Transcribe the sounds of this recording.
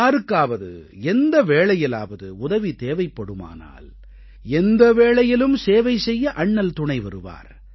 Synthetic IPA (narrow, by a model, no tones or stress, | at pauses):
aːɾɯkːaːʋɐðɯ̰ɛnd̪ɐʋeːɭɐjɪla̰ːʋɐðɯʊðɐʋit̪eːʋɐɪpːɐɽɯma̰ːna̰ːl | ɛnd̪ɐʋeːɭɐjɪlɯmseːʋɐɪsɛjːɐʔɐɳːɐlt̪ʊɳɐɪʋɐɾɯʋa̰ːɾ